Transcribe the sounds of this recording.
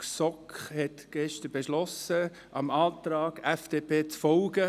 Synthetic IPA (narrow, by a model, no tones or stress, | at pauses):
sɔkχhɛtɡ̥ɛʃtəbeʃlɔsə | ʔɑmɑːtɾɑːɡ̥ɛfd̥eːpʰeːt͡sfɔlɡə